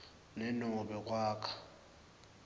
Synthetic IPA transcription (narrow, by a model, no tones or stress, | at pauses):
nɛnɔɓɛk̬ʼwaːkʰḁ